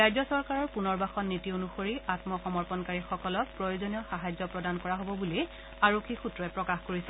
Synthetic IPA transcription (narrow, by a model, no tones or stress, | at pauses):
ajzɔsɔɹkaɹɔɹpunɔɹbaxɔnnitionuxoɹiatmɔxɔmɔɹpɔnkaɹixɔkɔlɔk̚pɹɔjozonijɔxaɦazɔpɹɔdankɔɹaɦobɔbuli | aɹokʰːixutɹɔɛpɹɔkaxkoɹisɛ